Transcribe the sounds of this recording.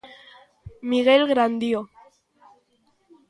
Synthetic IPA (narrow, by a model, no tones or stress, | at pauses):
miɣelɣɾand̪io